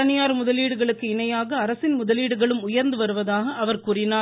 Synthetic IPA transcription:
ɐnɪjaːɾmʊðɐliːɽɯɣɐɭɯkːɯɪnɐjaːɣɐːɾɐsɪnmʊðɐliːɽɯɣɐɭɯmʊjɐɾnd̪ɯʋɐɾɯʋɐðaːɣɐʔːʋɐɾkuːrɪnaː

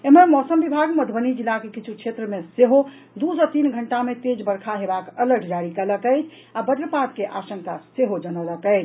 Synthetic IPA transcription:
eməɾmɔsəmbibʱaɡməd̪ʱbənid͡ʒilːakekit͡ʃʰukʃʰet̪ɾəmeseɦo | d̪usat̪inɡʱəɳʈamet̪ed͡ʒbəɾkʰaɦebakələɾʈʰd͡ʒaɽikələkɛjt͡ʃʰ | abəd̪ɾəpat̪keʔasəŋkaseɦod͡ʒənələkɛɪt͡ʃʰ

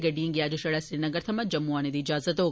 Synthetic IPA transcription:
ɡɐɖijiŋɡiaːd͡ʒuʃɐɭɐsɾinɐɡɐɾt̪ʰɐmɐd͡ʒɐmːuaːned̪iːd͡ʒaːzɐt̪oː

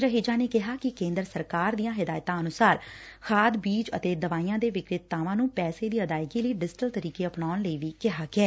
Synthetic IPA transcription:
ɾəɦeːd͡ʒãːneːkɪɦaːkɪkẽːnd̪əɾsəɾkaːɾd̪ijãːɦɪd̪aːjt̪ãːənʊsaːɾkʰaːd̪biːt͡ʃə̰t̪eːd̪əʋaːijãːd̪eːʋɪkɾɪt̪ːaːʋãːnũːpɛːseːd̪iːəd̪aːɪkiːləiːɖɪd͡ʒʈəlt̪əɾiːkeːəpnaːnləiːʋiːkɪɦaːɡɪɛː

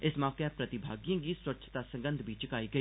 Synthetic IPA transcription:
ɪsmaːkeɛpɾət̪ɪbʱaːɡijãːɡiːswəkːt͡ʃʰə̥t̪aːsə̃ŋɡənd̪ʱbiːt͡ʃɪkaːiːɡəiː

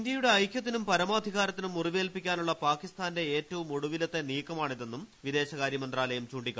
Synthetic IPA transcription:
nd̪jɐjuɽe̞ɐjkʲːjɐt̪ːinumpɐɾɐmaːd̪ʱiɣaːɾɐt̪ːinumːuriʋeːlpikʲːaːnuɭːɐpaːkist̪aːnde̞eːtːɐʋumoɽuʋilɐt̪ːe̞niːkːɐmaːɳiðe̞nːumʋid̪e̞ːɕɐɣaːɾjɐmɐnd̪raːlɐjumt͡ɕuːɳɖikʲː

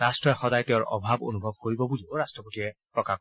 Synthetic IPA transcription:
ɹastɹɔjxɔdajtɛʊɹʔɔ̰bʱabo̰nubʱɔb̚koɹibɔbulioɹastɹɔpotiɛpɹɔka

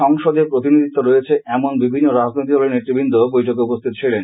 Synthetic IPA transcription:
ɔŋʃod̪epɾot̪̬inid̪ʱit̪ːoɾojet͡ɕʰeʔɛmonbibʱinːoɾad͡ʑnojt̪̬iolenet̪ɾibʱind̪obojʈʰokeupost̪ʰit̪ot͡ɕʰilen

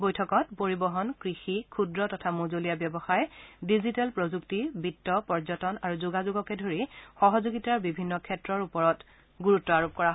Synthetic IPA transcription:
bojtʰɔkɔtpoɹibɔɦɔnkɹixikʰudɹɔtɔtʰamozolijabjɛbɔxajɛdizitɛlpɹozuktibʱitːɔpɔɹzɔtɔnaɹuzuɡazuɡɔkɛdʱoɹixɔɦɔzuɡitaɹbibʱinːɔkʰɛtɹɔɹupɔɹɔt | ɡuɹutːɔaɹop̚kɔɹaɦ

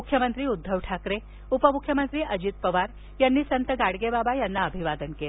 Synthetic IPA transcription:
ukʰjəmənt̪ɾiːud̪ʱːəʋʈʰakɾe | upəmukʰjəmənt̪ɾiːʔəd͡ʑit̪̚pəʋaɾ | janːiːsənt̪əɡaɽɡebabajanːaəbʱiʋad̪ənkel

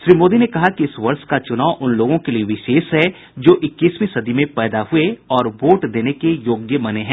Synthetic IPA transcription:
ʃɾiːmoːd̪inekɐɦakiɪsʋɐɾʃkat͡ʃʊnaːʊʔʊnloːɡõkelieʋɪʃeːʃɦɛ | d͡ʒoːʔɪkːiːsmẽsɐd̪imẽpɛːd̪aɦʊeɔːɾboːʈd̪eːnekejoːɡjəmɐneɦɛ̃

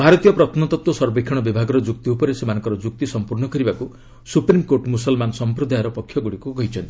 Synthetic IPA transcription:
bʱaɾɔt̪ijɔpɾɔt̪ʰnɔt̪ɔt̪wɔsɔɾbikʰːɔɽ̃ɔbibʱaɡɔɾɔd͡ʒuk̚t̪iupɔɾesemanɔ̃ŋkɔɾɔd͡ʒuk̚t̪isɔmpuɾɳɔkɔɾibaku | supɾimkoɾʈmusɔlmanɔsɔmpɾɔd̪ʱajɾɔpɔkʰːjɔɡuɽikukɔɦit͡ʃʰɔnt̪i̥

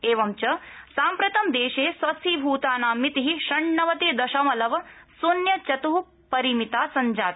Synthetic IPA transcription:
eːʋɐmt͡ʃɐsaːmpɾɐt̪ɐmd̪eːʃeːsʋɐsiːbʱuːt̪aːnaːmit̪iɦiʃɐɳːɐʋɐt̪eːd̪ɐʃɐmɐlɐʋɐsunjɐt͡ʃɐt̪uɦu | pɐɾimit̪aːsɐɲd͡ʒaːt̪

